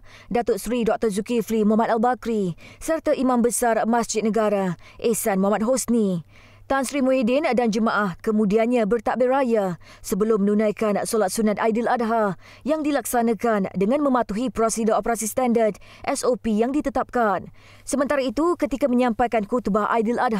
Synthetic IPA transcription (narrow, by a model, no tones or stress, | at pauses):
dat̪ʊt̪sɾidɔk̚t̪ɔrzukiflimuɦamat̪albakɾisərt̪aʔimãmbəsarmãsd͡ʒɪt̪̚nəɡaɾaʔesanmuɦamat̪̚ɦosni | t̪ansɾimũedɪndand͡ʒəmãʔahkəmũdianɲãbərt̪aʔberajasəbəlʊmːənunãjkansolat̪̚sunat̪̚ajdəlad̚ɦa | jaŋdilaksanãkandəŋãnmə̃mat̪uɦipɾosidaopəɾasist̪andard | ʔɛsopijaŋdit̪ət̪ap̚kan | səmənt̪aɾait̪ukət̪ikaməɲãmpajkankut̪baʔa̰jdəlad